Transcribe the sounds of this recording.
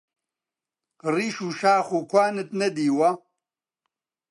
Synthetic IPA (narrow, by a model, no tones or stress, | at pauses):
riʃuːʃaːχukʰʷwaːnɨt̪nɐd̪iːwɐ